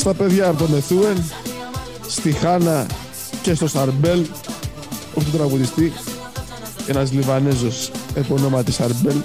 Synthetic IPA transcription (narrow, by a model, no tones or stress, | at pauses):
st̪ɐpe̞ðʝɐːpot̪ome̞θue̞n | st̪ixɐnɐ | ce̞st̪o̞sɐɾbe̞l | oçt̪ut̪ɾɐɣuðist̪i | enɐzlivɐnezo̞sepono̞mɐt̪isɐɾbel